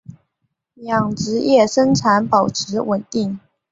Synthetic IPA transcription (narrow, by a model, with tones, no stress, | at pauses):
jɑ˨˩ŋʈ͡ʂɻ̩˧˥jɛ˥˩ʂə˥ŋʈ͡ʂʰa˧˥npɑ˨˩ʊʈ͡ʂʰɻ̩˧˥wə˨˩nt̪i˥˩ŋ